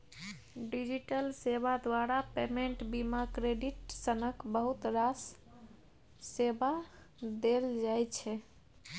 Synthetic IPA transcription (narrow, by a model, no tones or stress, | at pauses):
ɖid͡ʒiʈəlseβad̪waɾapemeɳʈbimakɾeɖiʈsənəkbəɦut̪ɾas | seba | d̪eld͡ʒajt͡ʃʰɛ